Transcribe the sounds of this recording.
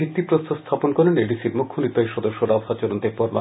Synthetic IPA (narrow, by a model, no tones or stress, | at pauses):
ik̚t̪ːipɾost̪ʰost̪ʰaponkɔɾeneɖisiɾmukʰːonit̪aeʃɔd̪oʃːoɾabɦat͡ɕoɾont̪eɾpɔɾma̰